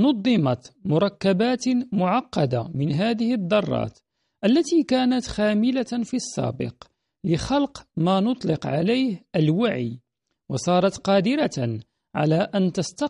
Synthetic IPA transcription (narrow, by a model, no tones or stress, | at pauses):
nʊd̪ˤːɨmɑt̪mʊɾˤɑkːabaːt̪mʊʕɑqːɑd̪amɪnɦaːðɪhɪd̪ˤːɑrˤːɑ̰ːt̪ | ʔalːat̪iːkaːnat̪xaːmɪlafisːæ̰ːbɪ̰q | lɪxɑlqmaːnʊt̪ˤlɪqʕa̰lajhʔəlwaʕḭː | wɑsˤɑːɾˤɑt̪qɑːd̪ɪɾa | ʕa̰laːʔant̪ɑst̪ɑ